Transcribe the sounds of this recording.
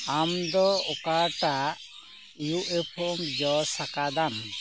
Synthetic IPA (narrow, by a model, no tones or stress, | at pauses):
amd̪ɔɔkaʈaʔ | ijuʔepʰɔmd͡ʒɔsakad̪an